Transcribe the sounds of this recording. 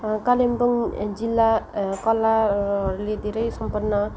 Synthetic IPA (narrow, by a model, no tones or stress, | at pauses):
kalembʌŋd͡zilːakʌlaɦʌɾuled̪ʱeɾʌjsʌmpʌrnːʌ